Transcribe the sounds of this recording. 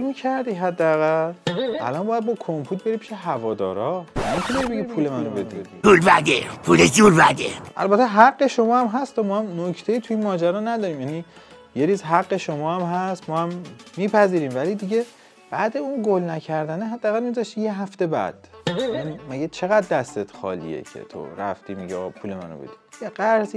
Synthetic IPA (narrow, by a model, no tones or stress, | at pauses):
micʰæɾd̪iːɦæd̪ːeæɣælʔæ̰lɒnbɒːjæd̪̚bɒkʰompʰuːt̪̚be̞ɾipʰi̥ːʃeɦævɒːd̪ɒ̰ːɾɒnemit̪ʰuneibeɡiipʰuːlemænrobebed̪iulvæd̪epʰuled͡ʒuɾvæd̪eʔæ̰lbæt̪ʰːeɦæɡːe̞ʃo̞mɒːhæmɦæst̪ɒmɒːhæmnocʰt̪ʰe̞jiːt̪ʰuiːnmɒːd͡ʒæɾɒːnæd̪ɒːɾiːmjæːniː | jeɾiːzɦæɡːeʃomɒːhæmɦæst̪mɒːhæmːiːpʰæziːɾiːmvælid̪iɟe | b̥æd̪e̞unɡolnæcʰæɾd̪æneɦæd̪ːæːɣælmizɒʃt̪iːjeɦæft̪e̞bæ̰d̪̥jænimæɟet͡ʃʰe̞ɣæd̪̚ːæst̪et̪xɒ̰ːlḭḛcʰe̞̰t̪ʰo̰ɾæ̰ft̪iːmiɟeɒ̰ɣpʰuːlemæ̰no̰be̞̰d̪i̥jeɡæɾzi